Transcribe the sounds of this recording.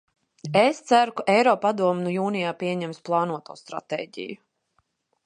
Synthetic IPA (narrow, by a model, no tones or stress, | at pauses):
est̪sæɾukaʔɛjɾɔːpad̪uɔmnujuːnijaːpʲiɛɲɛmsplˠɑːnuɔt̪uːst̪ɾa̰t̪ḛːɟḭju